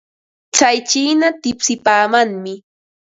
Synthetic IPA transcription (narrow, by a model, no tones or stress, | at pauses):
t͡sajt͡ʃiːnat̪ɪpsɪpaːmaŋmɪ